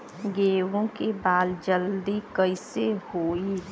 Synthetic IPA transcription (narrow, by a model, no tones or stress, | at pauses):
ɡeːwõkebaːld͡ʒəld̪ikəɪsehoːi